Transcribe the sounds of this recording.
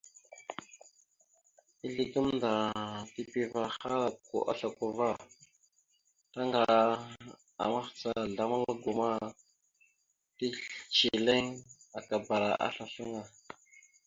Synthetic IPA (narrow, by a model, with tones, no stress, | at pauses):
i˦ɮi˨ɡu˦mnda˨ti˦pi˦va˨xa˦ɾa˨ko̰˨ʔa̰˦ɬa˨ko˨va˦˨ | ta˦ŋɡa˨ | a̰˨ma˦xt͡sa˨ɮa˨ma˦ŋa˦ɡu˨ma˦ | ti˦ɬt͡ʃi˨le˦ŋa˨ka˨ba˨ɾa̰˨ʔa̰˦ɬa˨ɬu˦ŋa˨